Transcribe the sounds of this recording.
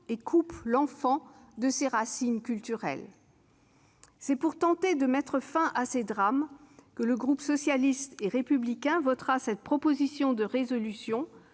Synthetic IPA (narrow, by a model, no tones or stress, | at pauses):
ekʰuplɑ̃fɑ̃d̪əseʁasinkʲylt̪yʁɛ̰l | sɛpuʁt̪ɑ̃t̪ed̪əmɛt̪χəfɛ̃ʔased̪ʁamkələɡʁupsɔsjalist̪eʁepyblikʲɛ̃vɔt̪χasɛt̪̚pχɔpozisjɔ̃d̪əʁezɔlysjɔ̃